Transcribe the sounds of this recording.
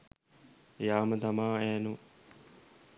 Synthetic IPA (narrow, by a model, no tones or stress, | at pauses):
jaːmət̪amaːæːnu